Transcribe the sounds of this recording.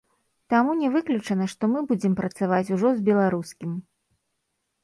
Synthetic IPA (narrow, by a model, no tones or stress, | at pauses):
t̪amunʲɛvɨklʲut͡ʂɐnɐʂt̪ɔmɨbud͡zʲɛmpɾɐt̪savat͡sʲuʐɔzbʲɛlˠaɾuskʲim